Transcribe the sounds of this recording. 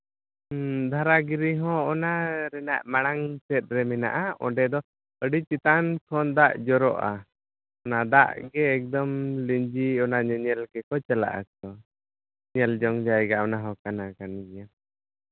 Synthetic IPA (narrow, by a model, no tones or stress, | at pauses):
d̪ʱaɾaɡiɾiɦɔ̃ɔnaɾɛnaʔmaɽ̃aŋsɛt̪̚ˀɾɛmɛna̰ʔaɔ̰ɖɛd̪ɔ | əɖit͡ʃit̪ankʰɔnd̪aʔd͡ʒɔɾɔʔa | ɔnad̪aʔɡɛːk̚d̪ɔmliɲd͡ʒiɔnaɲɛɲɛlkɛkɔt͡ʃala̰ʔa̰kɔ | ɲɛld͡ʒɔŋd͡ʒajɛɡaʔɔnaɦɔkanakanɡɛja